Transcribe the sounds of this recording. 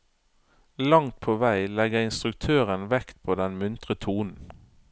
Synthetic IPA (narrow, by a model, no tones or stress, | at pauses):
lɑŋt̪̚pʰoːʋæɪlɛɡəɪnst̪ʁʉk̚t̪ʰøːʁənʋɛkt̪̚pʰoːd̪ɛnmʉnt̪ʁət̪ʰuːnn̩